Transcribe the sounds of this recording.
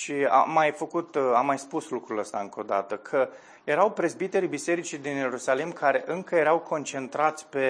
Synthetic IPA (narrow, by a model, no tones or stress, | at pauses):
ʃia̰mːajfəkut̪amːajspuslukɾuləst̪aɨŋkʰo̞d̪a̰t̪əkʰə | je̞ɾawpɾezbit̪e̞ɾibise̞ɾit͡ʃid̪inje̞ɾusalimkʰaɾe̞ʔɨŋkəje̞ɾawkʰo̞nt͡ʃe̞nt̪ɾat̪sʲpe̞